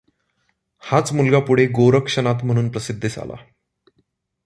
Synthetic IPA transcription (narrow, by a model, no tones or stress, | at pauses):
hat͡smulɡapuɽ̤eɡoɾəkʂənat̪m̤əɽ̃uːnpɾəsid̪ʱːisa̰la̰